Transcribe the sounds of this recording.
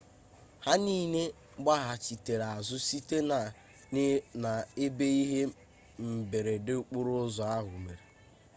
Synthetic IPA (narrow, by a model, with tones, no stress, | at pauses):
ha˦niː˦ne˦ | ɡ͡ba˦ɦa˨t͡ʃi˨te˨ɾa˨zʊ˦si˦te˦˨ | na˨e˦be˦i˦ɦe˦ | m̩˨be˨ɾe˨dɪ˦k͡pu˦ɾʊ˦zɔ˨a˦ɦʊ˨me˨ɾe˨